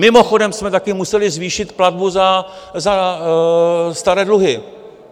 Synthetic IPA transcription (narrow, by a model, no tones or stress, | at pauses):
mɪmo̞xo̞dɛmsmɛt̪akɪmusɛlɪzviːʃɪt̪plad̪̚buzaza | st̪aɾɛːdluɦɪ